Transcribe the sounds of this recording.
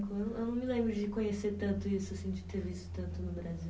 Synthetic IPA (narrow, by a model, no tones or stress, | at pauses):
kʊewñewnɐ̃w̃mɪlẽmbɾʊd͡ʒɪkõɲeseɾt̪ɐ̃nt̪ʊisʊsĩd͡ʒɪt̪eɾvisʊ̥t̪ɐ̃nt̪ʊnʊbɾaziw